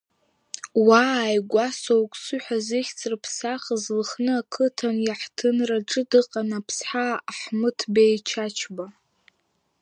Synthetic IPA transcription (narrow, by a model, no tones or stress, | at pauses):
waːjɡʷasowkʷʼsɨħʷazɨχʲt͡sʼrpʰsaχəzlχnɨakʰɨtʰanjaħtʰɨnraʈ͡ʂʼɨdɨqʼanapʰsħaːħmɨtʰbejt͡ʃʰat͡ʃʰba